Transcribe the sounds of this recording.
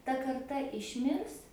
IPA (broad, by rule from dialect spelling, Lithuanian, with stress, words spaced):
tɐ kɐrˈtɐ ɪʃʲˈmʲɪrs